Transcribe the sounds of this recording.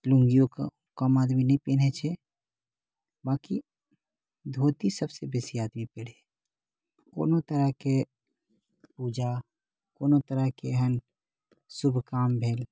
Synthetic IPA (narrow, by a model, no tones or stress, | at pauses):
lʊ̃ŋɡijõk | kəmaːd̪minəɦĩpeːnet͡ʃʰɛ | baːki | d̪ʱoːt̪isəbsebeːsiaːd̪mipeɽe | ko̰ːnot̪əɾəke | puːd͡ʒa | koːnot̪əɾəkeɦən | sʊbʱkaːmbʱeːl